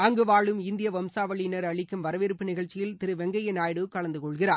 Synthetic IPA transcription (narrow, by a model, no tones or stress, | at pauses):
ɐŋɡɯʋaːɭɯmɪnd̪ɪjɐʋɐmsaːʋɐɭɪnɐɾɐɭɪkːɯmʋɐɾɐʋeɾɯpːɯnɪɣɐɭt͡ʃːɪjɪlt̪ɪɾɯʋɛŋɡɐjɐnaːjɽɯkːɐɭɐnd̪ɯkɔɭɣɪraːɾ